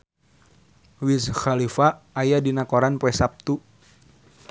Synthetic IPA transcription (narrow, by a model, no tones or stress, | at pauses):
wisxalifaːjadinakoɾanpoɛsap̚t̪u